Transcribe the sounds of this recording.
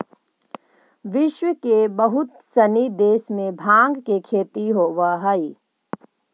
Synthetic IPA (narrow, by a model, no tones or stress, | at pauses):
ʋɪʃwəkebəɦʊt̪sɐnid̪eːsmẽbʱãːŋɡkekʰeːt̪iɦoːʋaɦəi